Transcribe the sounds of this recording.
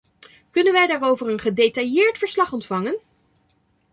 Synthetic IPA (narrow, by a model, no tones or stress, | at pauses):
kɵnənʋɛjdaːrowvəɹənχədejtɑjɪːɹtfəɹslɑχɔntfɑŋən